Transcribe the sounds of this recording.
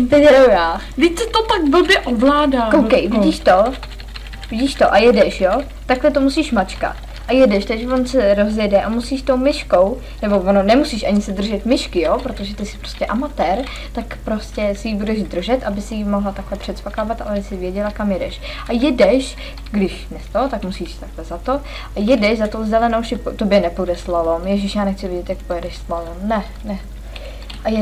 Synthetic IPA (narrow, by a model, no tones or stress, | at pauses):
t̪ɛɛɾowjaː | vicsɛt̪ot̪akvl̩bjɛʔovlaːdaːowkɛjvɪɟiːʃt̪o | vɪɟiːʃt̪oʔajɛdɛʃjo | t̪aklɛt̪o̞musiːʃmat͡ʃka̰t̪ | ʔajɛdɛʃt̪aʒɛvo̞nsɛɾo̞zjɛdɛʔamusiːʃt̪owmɪʃko̞w | nɛbo̞vononɛmusiːʃʔaɲɪsɛd̪r̩ʒɛt̪mɪʃkɪjopɾo̞t̪o̞ʒɛt̪ɪsɪ̥pɾoscɛʔamat̪ɛːɾ | t̪akpɾo̞scɛsɪjibudɛʒd̪r̩ʒɛt̪ʔabɪsɪjimoɦlat̪aklɛpr̝̥ɛt̪spakavat̪ʔa̰lɛbɪsɪvjɛɟɛlakamjɛdɛ̰ʃ | ʔajɛdɛʃ | ɡdɪʃnɛst̪ot̪akmusiːʃt̪aklɛzat̪o̞ | ʔajɛdɛʃzat̪owzɛlɛnowsɪpt̪objɛnɛpudɛslalomjɛʒɪʃjaːnɛxt͡sɪvjɛɟɛt̪jak̚pojɛdɛʃslalomnɛ | nɛ | ʔajɛ